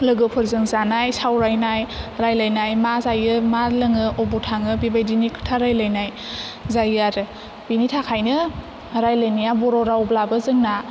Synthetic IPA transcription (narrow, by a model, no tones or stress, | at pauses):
lɯɡɯpʰɯɾzɯŋzanajsawɾajnajɾajlajnajmazajɯmalɯŋɯʔɔbutʰaŋɯbibajdinikʰɯ̥tʰaɾajlajnaj | zajɯaɾɯ | b̥initʰakʰajnɯ | ɾajlajnijabɔɾɔɾawblabɯzɯŋna